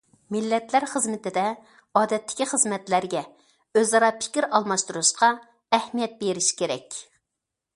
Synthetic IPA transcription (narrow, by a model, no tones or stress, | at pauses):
mɪlːɛt̪læɾχəzmɪt̪ɪd̪ɛ | ɑːd̪ɛt̪ʰːɪ̥kʲiχəzmɛt̪læɾɡʲɛ | øzɑɾɑpʰɪ̥kʲiɾɑlˠmɑʃt̪uɾuʃqɑ | ɛhmijɛt̪̚beɾɪʃi̥kʲeɾɛ̰kʲ